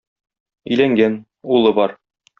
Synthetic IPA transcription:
ɵ̆jlæŋɡæn | ulˠɤbɒɾ

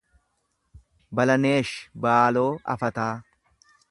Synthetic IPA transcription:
bɐlɐneːʃbaːlo̞ːʔɐ̰fɐt̪aː

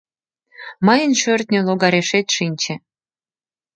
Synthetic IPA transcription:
mɤjə̆nʃørt̪nʲøloɣɑɾeʃet̪ʃinʲt͡ɕĕ

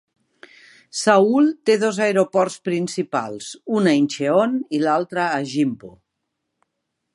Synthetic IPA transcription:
saulˠt̪eðozaeɾopɔɾspɾinsipa̰lˠzunainʲʃeonilalˠt̪ɾəːʒimpo̰

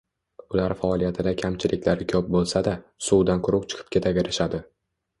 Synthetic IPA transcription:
ʊlaɾfaɒlˠijat̪ʰɪd̪akʲʰamt͡ʃʰɪlʔɪ̰kʲlaɾɪkʲʰɵp̚bolˠsad̪asuwd̪anqʰʊɾʊqt͡ʃʰɨ̥qʰɨ̥p̚kʲʰe̞t̪ʰakʲeɾɪʃad̪ɪ

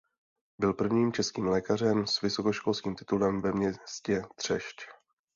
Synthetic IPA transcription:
bɪlpr̩vɲiːmt͡ʃɛskiːmlɛːkar̝ɛmsvɪso̞koʃkolskiːmt̪ɪ̥t̪ulɛmvɛmɲɛscɛt̪r̝̥ɛ̰ʃc

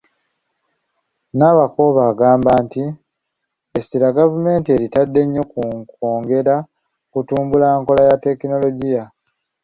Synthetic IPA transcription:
naβako̞βaːɡaːmbaːnti | estiɾaɡavume̞ːntie̞ɾitadːe̞ɲːo̞kukoːŋɡe̞ɾa | kutuːmbulaːŋko̞lajate̞kino̞lo̞ɟija

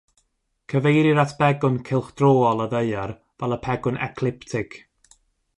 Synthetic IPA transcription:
kʰəvejɾiɾatʰb̥ɛɡʊnkʰɪlˠχd̥roːɔlˠəðəjər | vɛlˠəpʰɛɡʊnɛ̰kʰlˠɪptʰɪkʰ

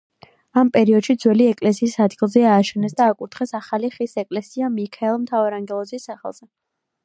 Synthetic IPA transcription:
ampʼɛɾiɔd̪̥ʃid̪zwɛliɛkʼlɛsiːsad̪ɡilˠzɛaːʃɛnɛsd̪aːkʼuɾt̪ʰχɛsaχaliχisɛkʼlɛsiamikʰaɛlˠmt̪ʰavaɾaŋɡɛlˠɔzisːaχɛ̰lˠz̥ɛ

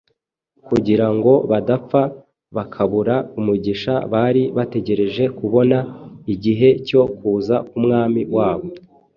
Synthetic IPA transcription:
kuɟiɾaŋɡo̞βadap͡fa | βakʰaβuɾaumuɟiʃaβaɾiβate̞ɟe̞ɾe̞ʒe̞kuβo̞naiɟiɦe̞co̞kuːzakumŋaːmiwaːβo̞

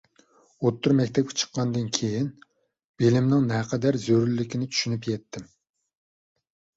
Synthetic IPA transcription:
ot̪ʰːuɾmɛkʲt̪ʰɛp̚kʲʰɛ̥t͡ʃʰə̥qʰːɑnd̪ɨnkʲʰejin | b̥elɪmnɪŋnɛqʰəd̪æɾzøɾlːɪkʲinɪt͡ʃ̪ʰy̥ʃynypjɛt̪ʰːɪm

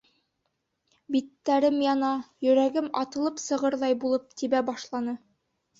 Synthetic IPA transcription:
bit̪ːæɾɘmjɑnɑjɵ̆ɾæɡɘmɑt̪ɤ̆lˠɤpsɤ̆ʁɤɾðˠɑjbulˠɤp̚t̪iβæbɑʃlˠɑnɤ

